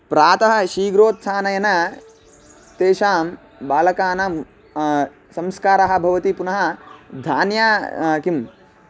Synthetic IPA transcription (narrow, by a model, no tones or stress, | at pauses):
pɾaːt̪ɐɦɐ̆ʃiːɡɾoːt̪̚sʰaːnɐjɐnɐ | t̪eːʃaːm | baːlɐkaːnɐm | sɐmskaːɾɐɦɐ̆bʱɐʋɐt̪ipunɐɦɐ̆d̪ʱaːnjaːkim